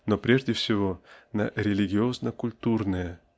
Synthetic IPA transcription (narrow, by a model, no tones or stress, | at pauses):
nopɾʲeʐdʲɪfsʲɪvonɐ̰ɾʲɪlʲɪɡʲɪo̞znəkʊlʲt̪urnɨjə